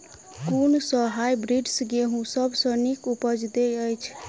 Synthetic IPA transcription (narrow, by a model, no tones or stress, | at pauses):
kunsəɦajbɾiɖsɡeɦũsəbʱsə̃nikupəd͡ʒd̪eəjt͡ʃʰ